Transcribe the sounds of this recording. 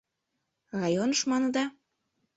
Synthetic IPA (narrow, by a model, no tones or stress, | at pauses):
rɑjonəʃmɑnɤ̆d̪ɑ